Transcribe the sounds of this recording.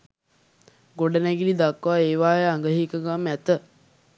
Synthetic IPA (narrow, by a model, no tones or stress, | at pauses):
ɡoɖənɛɡilid̪akːʋaeːʋaːjəaŋɡəɦikəɡamæt̪ə